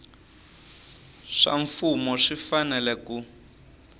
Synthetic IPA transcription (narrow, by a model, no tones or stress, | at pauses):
ʂa̰ɱfumɔʂifanɛlɛku